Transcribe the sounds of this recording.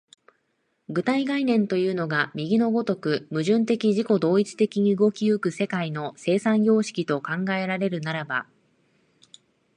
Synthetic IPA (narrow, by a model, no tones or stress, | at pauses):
ɡɯ̟t̪aiɡainẽ̞nt̪o̞jɯ̟ːno̞ɡamʲiɡʲino̞ɡo̞t̪o̞kɯ̟mɯ̟ʑɨ̃nt̪e̞kʲiʑiko̞d̪o̞ːit͡si̥t̪e̞kʲiɲ̟iɯ̟ɡo̞kʲiɯkɯ̟se̞kaino̞se̞ːsãɰ̃jo̞ːɕi̥kʲit̪o̞kãŋɡae̞ɾaɾe̞ɾɯ̟naɾaba